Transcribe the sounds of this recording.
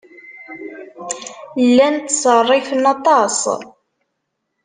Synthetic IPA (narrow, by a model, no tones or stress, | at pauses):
lːænt̪sərˤːɪfənɑt̪ˤɑsˤ